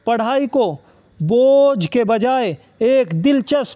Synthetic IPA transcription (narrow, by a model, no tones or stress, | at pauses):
pɐɽ̤aːiko | boːd͡ʒkebɐd͡ʒaːe | eːkd̪ɪlt͡ʃəs